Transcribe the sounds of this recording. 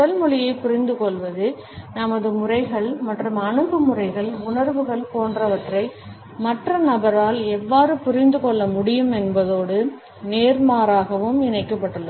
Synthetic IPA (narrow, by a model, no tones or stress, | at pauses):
ɐlmʊɻɪjɐɪpʊɾɪnd̪ɯkɔɭʋɐðɯ | nɐmɐðɯmʊrɐɪɣɐɭmɐʈrɯmɐɳɯpːɯmʊrɐɪɣɐɭʊɳɐɾʋɯɣɐɭpoːndrɐʋɐʈrɐɪ | mɐʈrɐnɐbɐɾaːlɛʋːaːɾɯpʊɾɪnd̪ɯkɔɭːɐmʊɽɪjɯmɛnbɐðoːɽɯ | neːɾmaːɾaːɣɐʋɯmɪnɐɪkːɐpːɐʈːɯlːɐ